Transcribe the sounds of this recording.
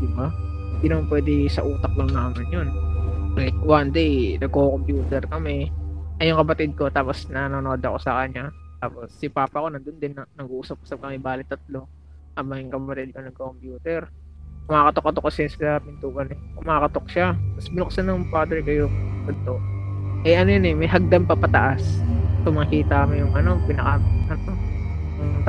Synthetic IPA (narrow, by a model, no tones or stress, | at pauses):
d̪ɪba | hhɪnd̪iːnɐmanpwɛːd̪ɛsɐʔuːt̪ɐk̚lɐŋnaːmɪnjonlajk̚wand̪ɛjnɐɡ̚kokompjuːt̪ɛɾkɐmɛʔɐjʊŋkɐpɐt̪ɪd̪̚ko̞t̪aːposnɐnonoːd̪ɐko̞sɐkɐɲat̪aːpo̞sːɪpaːpɐʔɐko̞nɐnd̪ond̪ɪnːɐnɐɡuʔuːsɐpʔuːsɐp̚kɐmɛbaːlɪt̪ːɐt̪lo̞ | ʔɐbaŋjʊŋkɐpɐpɐt̪ɪd̪̚konɐŋkɐokompjuːt̪ɛɾ | kʊmaːkɐt̪okːɐt̪okːɐsɐnssɐpɪnt̪uːʔɐnɛkʊmaːkɐt̪o̞k̚ʃamɐsbɪnʊk̚sanːɐŋpaːd̪ɛɹkojʊŋkɐd̪̚t̪oʔɛʔɐnojʊnɛmɐjɦɐɡ̚d̪ampɐpɐt̪ɐʔast̪oŋmɐkiːt̪ɐkɐmɪjʊŋʔɐno̞pɪnɐkɐʔɐno | t̪